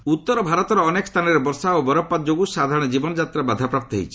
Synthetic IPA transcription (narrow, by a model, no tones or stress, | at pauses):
ut̪ːɔɾɔbʱaɾɔt̪ɔɾɔːnekɔst̪ʰanɔɾebɔɾsaobɔɾɔpːat̪̚d͡ʒoɡusad̪ʱaɾɔɽ̃ɔd͡ʒibɔnɔd͡ʒat̪ɾabad̪ʱapɾap̚t̪ɔɦḛt͡ʃʰi̥